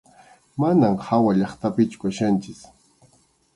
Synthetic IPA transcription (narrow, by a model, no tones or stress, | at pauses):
manamhawaʎɑχt̪apɪt͡ʃʊ̥kaʃant͡ʃɪs